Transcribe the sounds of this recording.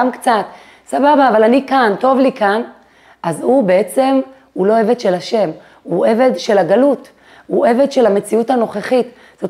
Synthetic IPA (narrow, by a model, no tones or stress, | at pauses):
amkt͡sat̪ | sababaːvalanikanto̞vlikan | ʔazube̞e̞t͡se̞m | hulo̞e̞ve̞d̪ʃe̞laʃe̞m | hue̞ve̞d̪ʃe̞laɡalut | huʔe̞ve̞d̪ʃe̞lame̞t͡siutano̞χeχit | z̥ot